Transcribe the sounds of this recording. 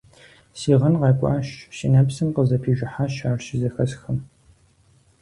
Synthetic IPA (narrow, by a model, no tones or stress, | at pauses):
siːʁɐnqɐːkʷʼa̰ːʃʃɪnɐpsɨmqəzɐpʰiːʒʷɪħaʃaːrʃɪzɐxɐsxɐm